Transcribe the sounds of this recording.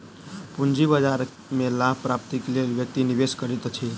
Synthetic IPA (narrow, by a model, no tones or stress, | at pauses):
pund͡ʒibəd͡ʒaɾ | melabpɾap̚t̪iklelʋjək̚t̪iniʋeskəɾit̪ət͡ʃʰe